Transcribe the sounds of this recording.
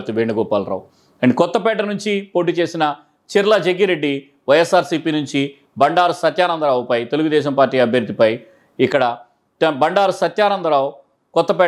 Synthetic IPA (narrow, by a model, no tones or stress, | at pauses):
t̪uʋeːɳɖuɡɔːpa̰ːlɾa̰ːw | ɐɳɖikɔt̪ːɐpɛːʈɐnuɲt͡ʃipoːʈ̬iːt͡ʃe̞ːsinɐ | t͡ʃiɾɐlɐd͡ʒeɡːiɾe̞ɖːi | ʋɐjesːaːɾsiːpiːnuɲt͡ʃi | bɐɳɖaːɾusɐt̪jaːnɐnd̪ɐɾaːwupɐjt̪e̞luɡud̪ɛːʃ̬ɐmpaːɾʈːiːɐbʱjɐɾd̪ːipɐj | ikːɐɽɐ | bɐɳɖaːɾusɐt̪jaːnɐnd̪ɐɾaːwu | kɔt̪ːɐpɛː